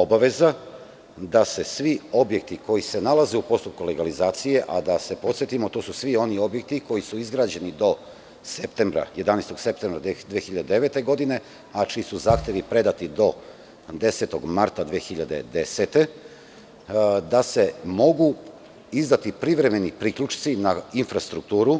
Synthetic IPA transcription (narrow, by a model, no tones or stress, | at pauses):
obaʋe̞za | d̪ase̞sʋio̞bje̞k̚t̪iko̞jise̞nalaze̞upo̞st̪up̚kule̞ɡalizaːt̪sije̞ʔad̪ase̞po̞t̪sjet̪imo̞t̪osusʋio̞nio̞bjek̚t̪iko̞jisuizɡɾaːd͡ʑe̞nid̪o̞ | sept̪embɾa̰je̞d̪anejst̪o̞ɡ̥se̞p̚t̪e̞mbɾad̪ʋexiʎad̪ed̪e̞ʋe̞t̪e̞ɡo̞d̪ine̞ | at͡ʃiːsuzaːxt̪e̞ʋipɾe̞d̪at̪id̪o̞ | d̪e̞se̞t̪o̞ɡmaɾt̪ad̪ʋexiʎad̪e̞̰d̪e̞set̪e̞ | d̪ase̞mo̞ɡu | izd̪at̪ipɾiʋɾe̞me̞nipɾikʎut͡ʃt̪sinainfɾast̪ɾuk̚t̪uːɾu